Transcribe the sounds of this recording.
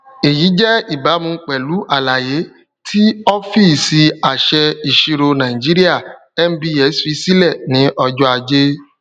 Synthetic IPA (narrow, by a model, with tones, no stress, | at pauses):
e˨ji˨˦d͡ʒɛ˦i˦˨ba˨˦mũ˧˦k͡pɛ˨lu˨˦ʔa˦˨la˨je˨˦ | tʰi˦ɔ˦fi˦˨si˧a˨ʃɛ˧i˨ʃi˧ɾo˧nã˨ĩ˨d͡ʒi˦ɾi˦a˦˨ | ɛ˦m̩˦bi˧˦ɛ˨˦sfi˧˦si˦lɛ˦˨nĩ˨˦ʔɔ˧d͡ʒɔ˦a˧d͡ʒe˦